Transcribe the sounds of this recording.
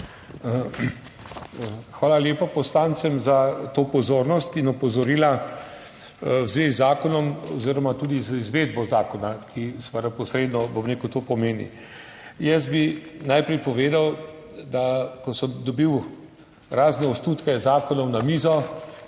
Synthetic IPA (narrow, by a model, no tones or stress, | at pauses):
xʋaːlaljeːpapɔslaːnsɛmzat̪opɔzoːɾnɔst̪inɔpɔzɔɾiːla | zʋeizaːkɔnɔmɔ̰ziːɾɔmat̪uːd̪izəizʋeːd̪bɔzaːkɔnakʰist̪ʋaɾapɔsɾeːd̪nɔbɔmnekut̪oːpɔmeːnḭ | jɛs̚binajpɾɛjpɔʋeːd̪aw | d̪akɔsəmd̪ɔbiw | ɾaːznɛɔsnuːt̪kɛzaːkɔnɔwnamiːzɔ